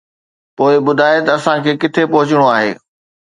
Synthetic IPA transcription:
poːɪbʊd̪ʱaːɪt̪ɐɐsãkʰeːkɪt̪ʰepɐɦʊt͡ɕɪɽ̃oaːɦḛː

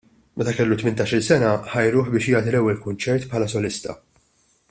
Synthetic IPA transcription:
mɛt̪ɐkɛlːut̪mɪnt̪ɐːʃɪlsɛnɐħɐjɾʊːħbɪːʃjɐːt̪ilɛwːɛlkʊnt͡ʃɛɾt̪pħɐːlɐsɔlɪst̪ɐ̰

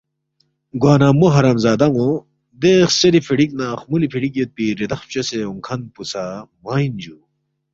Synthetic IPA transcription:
ɡwaːnaːmoɦɐɾaːmzaːd̪ɐŋo | d̪exseɾipʰeɽiknaːχmulipʰiɽikjet̪̚piɾed̪ɐxpɕɐseoŋkʰɐn̚pusamaːind͡ʑu

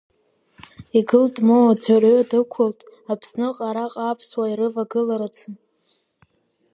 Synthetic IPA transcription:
iɡɨltʼmoad͡zʷʰarodɨkʷʰʊltʼ | apʰsnɨqʼaɾaqʼapʰswaiɾɨvaɡɨlaɾat͡sʷʰɨn

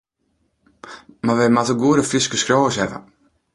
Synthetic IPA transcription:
maʋɛmatəɡuəɾəfiskəskɾoːəsɛvə̰

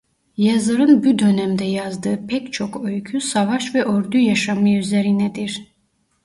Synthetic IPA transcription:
jazɯɾɯnbud̪ø̞nɛmd̪ɛjazd̪ɯːpʰɛct͡ʃʰokʰøjkʰysavaʃvɛʔøɾd̪yjaʃamɯjyzɛɾinɛd̪iɾ̥

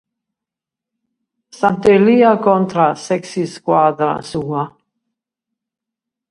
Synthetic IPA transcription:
sant̪eliakont̪ɾasɛksiskwad̪ɾa̰sua

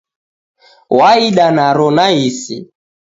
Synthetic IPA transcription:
waiɗanaɾɔnaisḭ

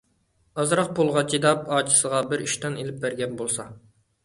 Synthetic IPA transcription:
ɑzɾɑq̚polˠʁɑt͡ʃʰid̪ɑp̚ɑːt͡ʃʰi̥səʁɑbɪɾyʃt̪ɑnelɪp̚bæɾɡʲɛnbolˠsɑ

